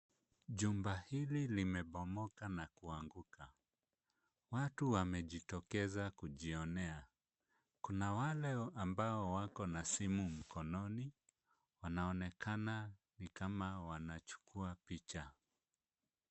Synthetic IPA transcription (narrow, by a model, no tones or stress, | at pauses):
ʄumbahililimɛɓɔmɔkanakuaŋɡuka | watuwamɛʄitɔkɛzakuʄiɔnɛa | kunawalɛambaɔwakɔnasimum̩kɔnɔni | wanaɔnɛkʰananikamawanat͡ʃu̥kʰuapit͡ʃa